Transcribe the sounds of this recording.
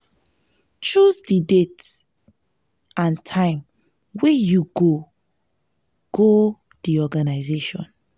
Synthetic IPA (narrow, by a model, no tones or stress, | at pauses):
t͡ʃusdidet | ãntʰãɪ̃m | wɛjuɡo | ɡ̥o | diɔɡanaɪzeʃɔ̰̃n